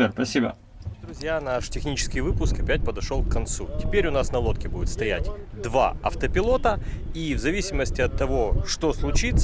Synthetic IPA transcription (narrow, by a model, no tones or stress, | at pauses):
epɐsʲibə̰ | d̪ɾʊzʲjanaʂtʲɪxnʲit͡ɕɪ̥skʲɪjvɨpʊskɐpʲætʲpəd̪ɐʂolˠkːɐnt̪sutʲɪ̥pʲeɾʲʊnasnɐlˠo̞t̪kʲɪbudʲɪt̪st̪ɐjætʲd̪va̰ɐ̰ft̪əpʲɪlˠo̞t̪əivzɐvʲisʲɪməsʲtʲɪɐt̪ːɐvo̞ʂt̪o̞slˠʊt͡ɕit̪s